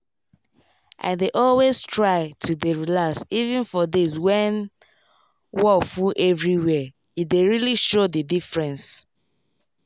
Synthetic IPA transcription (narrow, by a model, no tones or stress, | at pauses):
ʔa̰ɪdeʔɔlwestʰɹaɪtʰudeɹilasivɛ̃nfɔdiswɛ̃n | wɔfuʔɛvɹiwɛ | ideɹiliʃodidifɹɛ̃ns